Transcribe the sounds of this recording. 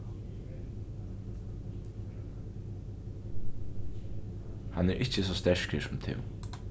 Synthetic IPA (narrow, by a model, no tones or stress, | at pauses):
hanɛːɾʔɪt͡ʃəs̬ɔːst̪ɛɹ̥kəsʊmt̪ʰɪ̰w